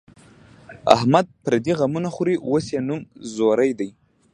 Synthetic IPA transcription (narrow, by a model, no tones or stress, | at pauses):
a̰hmad̪̚pɾad̪iɣamunaxuɾiwosjenumzoɾajd̪aj